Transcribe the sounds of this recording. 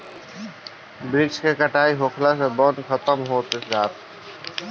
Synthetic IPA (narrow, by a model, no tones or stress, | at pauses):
bɾɪd͡ʒkekəʈaːiɦoːkʰlasebɔːt̪xət̪əmɦoːt̪ɪsɡaːɾ